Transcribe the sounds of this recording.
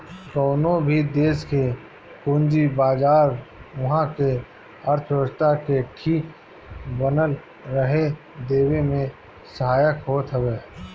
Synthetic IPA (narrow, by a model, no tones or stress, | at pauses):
kɔːnõbʱid̪eːske | kʊnd͡ʒibaːd͡ʒaːɾʊɦãke | əɾt̪ʰəst̪akeʈʰiːk | bənəl | ɾəɦe | d̪eːwemẽ | səɦaːjəkɦoːt̪ɦəweː